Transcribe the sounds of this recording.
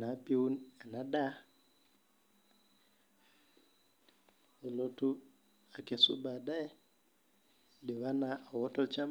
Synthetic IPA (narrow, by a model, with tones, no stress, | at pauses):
na˨pi˦u˦na˨na˨da˦ | ɔ˨lo˦tu˦ | a˨ke˨sṵ˦ba˨da˦ | dɪ˨βa˦na˨ɔ˨wɔ˦tɔ˦t͡ʃa˦m